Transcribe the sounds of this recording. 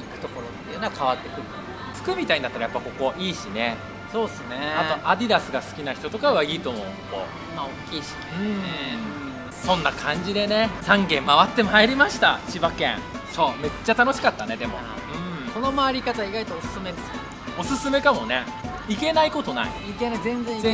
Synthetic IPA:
ikɯ̟̥t̪o̞ko̞ɾot̪ːeɯ̟naakʰaβat̪ːe̞kɯ̟ | t͡sɨ̥kɯ̟mʲit̪aiɲid̪at̪ːaɾajapːako̞ko̞ʔiːɕine̞ | so̞ːsɨneat̪o̞ʔad̪ʲid̪asɨɡasɨ̥kʲinaçi̥t̪o̞t̪o̞kaβaiːt̪o̞mo̞ːɯmoko̰ | maokʲːiːɕi̥ | ɯ̃ | sõ̞nːakʰãɲ̟d͡ʑid̪e̞ne̞sãŋɡẽ̞mːaβat̪ːe̞maeɾʲimaɕi̥t̪at͡ɕibakḛ̃ɴsome̞t͡ɕːat̪ano̞ɕi̥kat̪ːane̞d̪e̞mo̞ | ɯ̃ɴso̞no̞maːɾʲikat̪aiɡait̪oːsɨ̥sɨme̞d̪esɨ̥e | o̞sɨsɨme̞kamo̞ne̞ | ike̞naiko̞t̪o̞na̰ḭikenazẽ̞nd͡zẽ̞

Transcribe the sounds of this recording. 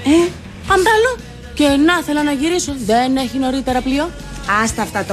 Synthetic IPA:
e | ɐmbɐlo | ce̞nɐθe̞lɐnɐʝiɾiso̞ðe̞neçino̞ɾit̪e̞ɾɐplio | ɐst̪ɐft̪ɐt̪

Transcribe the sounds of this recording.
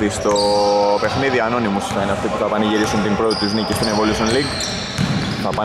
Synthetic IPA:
ðist̪o̞pe̞xniðiɐno̞nimuskɐineɐft̪ipuθɐpɐniʝiɾisunt̪impɾot̪it̪ːiznicist̪inevolusonliɡ | θɐpɐ

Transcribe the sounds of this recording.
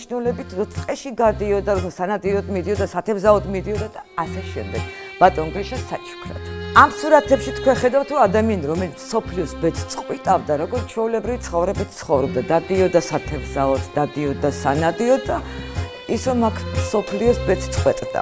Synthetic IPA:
ʃnulɛbit̪ʰɾɔt̪sʰʼqʼɛʃiɡad̪iɔd̪aɾɔasanad̪iɔd̪mid̪iɔd̪asat̪ʰɛvzaɔd̪mid̪iɔd̪ad̪aːsɛʃɛ̰md̪ɛɡ̥ | b̥at̪ʼɔnɡɾiʃasat͡ʃʰu̥kʰɾɛ̰t̪ʰamsuɾat̪ʰɛpʃit̪ʰkʰwɛnχɛd̪aft̪ʰɾɔad̪amianiɾɔmɛlit̪sʰsɔpʰliɔsbɛt̪ʰt̪sʼqʼwit̪ʼavd̪aɾɔɡɔɾt̪t͡ʃʰɛulɛbɾivit̪sʰχɔvɾɛbit̪ʰt̪sʰχɔvɾɔb̚d̪ad̪ad̪iɔd̪asat̪ʰɛvzaɔd̪d̪ad̪iɔd̪asanad̪iɔd̪a | isɾɔmakʰsɔpʰliɔsbɛt̪ʰt̪sʼqʼwɛt̪ʼd̪a̰

